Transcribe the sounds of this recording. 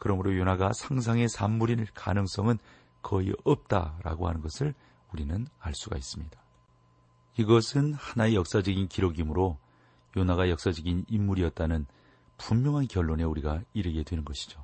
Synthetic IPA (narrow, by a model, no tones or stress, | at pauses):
kɯɾʌmɯɾojonaɡasʰaŋs̬ʰaŋe̞sʰamːuɾika̰nɯŋs͈ʌŋɯn | kʌḭʌp̚t͈a̰ɾa̰ɡohanɯnɡʌsʰɯɭ | uɾinɯnaɭs͈uɡa̰is͈ɯmɲidḁ | iɡʌsʰɯnhanaejʌk̚s͈ad͡ʑʌɡinkiɾoɡimɯɾo | jonaɣajʌk̚s͈ad͡ʑʌɡinimːuɾiʌt̚t͈anɯn | pumːjʌŋɦankjʌɭːone̞uɾiɡaiɾɯɡe̞dwe̞nɯnɡʌɕʰi̥d͡ʑo